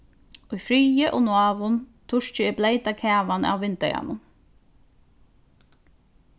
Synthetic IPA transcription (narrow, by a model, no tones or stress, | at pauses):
ʊjfɾiːjəʔoːnʊɑːʋʊnt̪ʰʊʂt͡ʃɪɪblejt̪akʰæːʋana̰wːɪnt̪ɛ̰ja̰nʊn